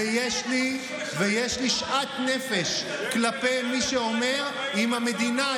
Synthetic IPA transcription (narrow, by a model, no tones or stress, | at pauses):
ejeʃli | vejeʃliʃʔat̪ne̞feʃ | klape̞jmiʃeome̞ʁ | imhame̞d̪ina